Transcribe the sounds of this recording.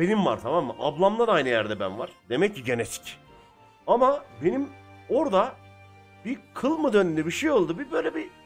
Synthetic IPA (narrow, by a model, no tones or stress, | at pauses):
be̞nimva̰ɾt̪ʰamamːɯʔablˠamlˠanajnɯjæɾd̪ɛbænvaɾ̥d̪e̞mɛc̚ːiɟenɛt̪ʰi̥c | amabe̞nimo̞ɾd̪a | b̥ikʰɯlˠmɯd̪ønynd̪ɛbiʃejo̞lˠd̪ubibøjlʲeɛbi